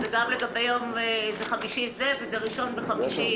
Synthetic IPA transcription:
zeɡamleɡabejomzeχamiʃizevezeʁiʃo̞nbeχamiʃi

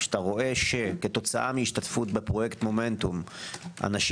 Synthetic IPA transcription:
t̪aʁo̞ʔe̞ʃeke̞t̪o̞t͡saʔamiiʃtatfut̚bepʁo̞jekt̪mo̞me̞nt̪umʔa̰naʃ

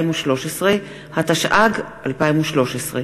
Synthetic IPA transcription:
imuʃlo̞ʃesʁe | hat̪aʃʔaɡʔalpaimuʃlo̞ʃesʁe

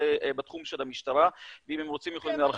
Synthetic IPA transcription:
ebet̪χumʃelamiʃt̪aɾaveimhemʁo̞t͡simjxo̞limlaal

